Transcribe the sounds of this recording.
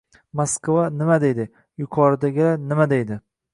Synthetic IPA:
moskvanɪmad̪e̞jd̪ɪ | jʊkʰɒɾɪd̪aɡʲɪlanɪmad̪e̞jd̪ɪ

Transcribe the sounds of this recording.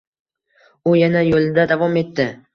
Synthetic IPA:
ʊjanajolˠɪd̪ad̪avɒme̞t̪ʰːɪ

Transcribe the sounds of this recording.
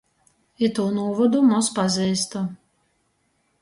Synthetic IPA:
it̪uːnuɔvɔd̪umɔspazʲɛjst̪u

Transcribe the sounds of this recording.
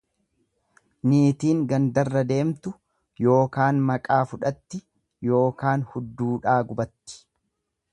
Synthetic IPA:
niːt̪iːŋɡɐnd̪ɐrːɐd̪e̞ːmt̪ʊ | jo̞ːkaːnmɐkʼaːfʊᶑɐt̪ːɪ | jo̞ːkaːnhʊd̪ːuːᶑaːɡʊbɐt̪ːɪ̥

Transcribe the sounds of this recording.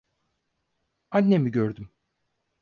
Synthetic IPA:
anːemiɟøɾd̪ym

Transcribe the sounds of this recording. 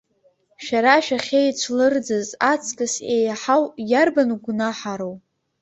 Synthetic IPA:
ʃᶣaɾaʃᶣaχʲejt͡ʃʷʰlɨrd͡zɨzat͡sʰkʼɨsejaħawjarbanuɡʷnaħaɾow

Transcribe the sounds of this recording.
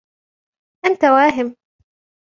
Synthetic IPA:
ʔant̪awaːɦɪm

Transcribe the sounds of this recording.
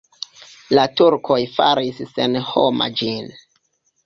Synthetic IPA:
latuɾkʰo̞jfaɾisːenhoma̰d͡ʒin

